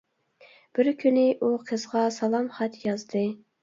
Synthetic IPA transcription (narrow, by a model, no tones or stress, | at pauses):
b̥ɪɾkʲʰynɪʔuqʰəzʁɑsɑlˠɑmχɑt̪jɑzd̪ɨ